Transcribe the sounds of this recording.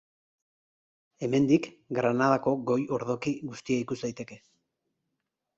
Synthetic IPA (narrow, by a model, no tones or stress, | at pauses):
e̞me̞nd̪ik | ɡɾanað̞ako̞ɡo̞jo̞ɾðo̞kiɣust̪iaikuzd̪ajt̪e̞ke̞